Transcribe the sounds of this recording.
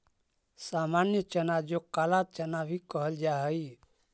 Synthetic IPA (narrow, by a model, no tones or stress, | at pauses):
samanjət͡ʃənad͡ʒokalat͡ʃənabʱikəɦəld͡ʒaɦəj